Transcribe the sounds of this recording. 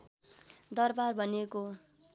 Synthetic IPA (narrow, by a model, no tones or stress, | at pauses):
d̪ʌrbarbʱʌneko